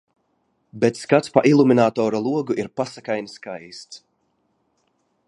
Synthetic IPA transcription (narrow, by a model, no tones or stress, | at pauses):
bet̪skat̪spaʔilˠuminaːt̪ɔːɾɔlˠuɔɡuʔiɾpasakajniskajst̪s